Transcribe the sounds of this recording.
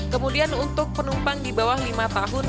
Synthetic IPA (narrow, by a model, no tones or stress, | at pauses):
kəmudianunt̪ʊk̚pənumpaŋdibawahlimat̪aɦʊn